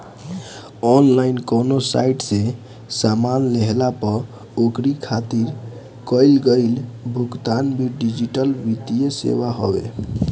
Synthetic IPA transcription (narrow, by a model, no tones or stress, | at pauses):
ɔnlainkonosa̰iʈsẽ | samanleɦlapəɾ | okɾikʰat̪iɾ | kəɪlɡəɪlbʱukt̪anbʱiɖid͡ʒiʈəlbit̪ijesḛβaɦɔ̰bḛ